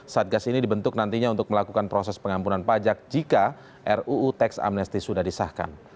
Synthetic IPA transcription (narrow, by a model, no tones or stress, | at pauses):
saat̪̚ɡasinidibənt̪ʊk̚nant̪iɲaunt̪ʊk̚məlakukanpɾosɛspəŋampunanpad͡ʒak̚d͡ʒika | ʔɛruːt̪ɛksa̰mnɛst̪isudahdisahka̰n